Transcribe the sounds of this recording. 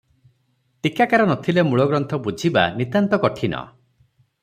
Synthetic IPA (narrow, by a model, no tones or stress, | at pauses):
ʈikakaɾɔnɔt̪ʰilemuɭɔɡɾɔnt̪ʰɔbud͡ʒʱiba̰nit̪ant̪ɔkɔʈʰinɔ̰